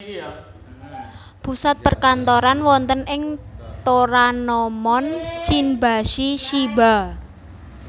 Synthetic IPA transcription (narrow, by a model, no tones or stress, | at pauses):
pusat̪̚pərkant̪oɾanwɔnt̪ənɪŋt̪oɾanɔmɔnsinbaʃiʃiba̤